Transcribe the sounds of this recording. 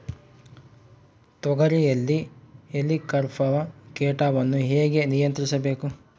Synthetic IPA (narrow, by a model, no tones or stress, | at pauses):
t̪ɔɡɐɾijɐlːielikɐɾpʰɐʋɐkeːʈaːʋɐnːuɦeːɡe̞nijɐnt̪ɾisɐbe̞ːku